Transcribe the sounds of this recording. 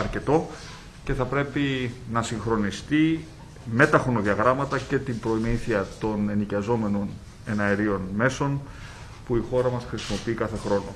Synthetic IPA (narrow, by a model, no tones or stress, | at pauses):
ɐɾce̞t̪o̞ | ce̞θɐpɾe̞pinɐsiŋxɾo̞nist̪i | me̞t̪ɐxɾo̞no̞ðiɐɣɾɐmɐt̪ɐce̞t̪imbɾo̞imiθiɐt̪o̞ne̞nicɐzo̞me̞no̞n | e̞nɐeɾio̞nme̞so̞n | puixo̞ɾɐmɐsxɾisimo̞piikɐθe̞xɾo̞no̞̰